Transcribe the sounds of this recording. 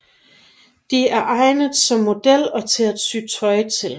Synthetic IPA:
d̥iæɐʔɑ̈ɪnəðˠsɒ̽mːo̝d̥el̰ɒ̽t͡sʰe̝æd̥syt͡sʰɒɪt͡sʰe̝l

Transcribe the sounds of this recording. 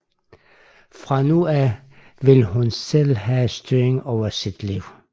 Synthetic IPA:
fʁɑ̈nuæ | ʋe̝lhunsel̰ɦæsd̥yɐeŋɒʊ̰ɐsid̥liʊ

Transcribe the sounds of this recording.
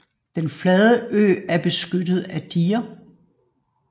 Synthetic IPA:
d̥enflɛːðˠəʔø̰ːæɐb̥e̝sɡ̥ød̥ð̞̩ˠæd̥iːɐ

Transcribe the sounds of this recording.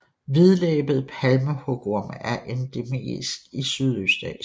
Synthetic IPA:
ʋiðˠleːb̥ð̩ˠpʰælməhɔɡ̥oɐmæɐʔend̥e̝mḛːsɡ̥isyðˠøsd̥ɛ̰

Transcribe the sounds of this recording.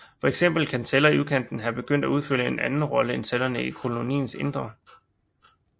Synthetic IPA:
fɒ̽eɡ̥sem̰b̥l̩kʰænt͡sʰelɐiukʰen̰d̥n̩ɦæb̥e̝ɡ̥øn̰d̥æuð̞ˠføl̰əe̝nʔænn̩ʁɒ̽ləent͡sʰelɐnəikʰo̝lo̝nḭːn̩se̝nd̥ʁɐ

